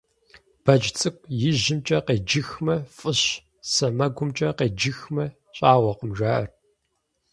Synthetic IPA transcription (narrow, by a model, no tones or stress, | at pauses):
b̥ɐd͡ʒt͡sʼɨkʷʼjɪʑɪmt͡ʃʼɐqeːd͡ʒɪxmɐfʼɨɕ | sɐmɐɡʷʊmt͡ʃʼɐqeːd͡ʒɪxmɐ | ɕʼaːʁʷɔqəmʒʷaːʔɐ̰r